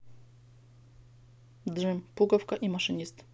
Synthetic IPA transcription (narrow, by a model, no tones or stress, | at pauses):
d̪ʐɘmpuɡɔfkaʔimaʂɨɲist̪